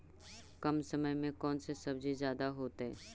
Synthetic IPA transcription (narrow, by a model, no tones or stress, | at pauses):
kɐmsɐməjmẽkɔːnsesɐbd͡ʒizjaːd̪aɦoːt̪eɦɛ̰ː